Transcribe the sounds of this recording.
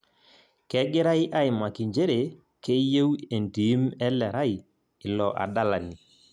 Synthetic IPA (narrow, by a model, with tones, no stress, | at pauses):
kɛ˦ɡɪ˦ɾa˦jʔa˦ɪ˨ma˨ki˨ɲd͡ʒe˦ɾe˨ | ke˦je˦we˨ndi˨˦mɛ˦lɛ˨ɾa˦ɪ˨ | ɪ˨lɔ˨ʔa̰˨da˦la˨ni˨